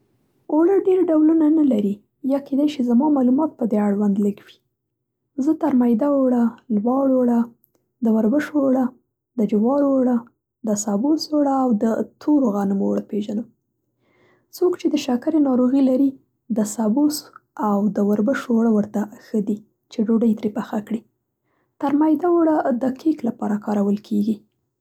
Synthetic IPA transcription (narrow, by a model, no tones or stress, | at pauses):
oɽəɖeɾɖawlunanalaɾi | jɑked̪ajʃizamɑmɑlumɑt̪̚pəd̪eaɽwand̪ləɡwi | zət̪aɾmajd̪aoɽalwɑɽoɽa | d̪əwaɾbəʃoɽa | d̪əd͡ʒɪwɑɾoɽa | d̪əsabusoɽaːwd̪ət̪ʰoɾoɣɑnəmoɽəpeʒanəm | t͡sokt͡ʃed̪əʃakaɾenɑɾoɣilaɾi | d̪əsabusawd̪əwaɾbəʃoɽawəɾt̪axəd̪i | t͡ʃeɖoɖajt̪ɾepaxakɽi | t̪aɾmajd̪awoɽad̪əkiklapɑɾakɑɾawəlkʰeɡi